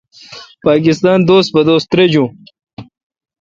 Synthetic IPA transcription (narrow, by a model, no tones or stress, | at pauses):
paːk̬ɪst̪aːnd̪oːst̪̚bɐd̪oːst̪ɾed͡ʑũː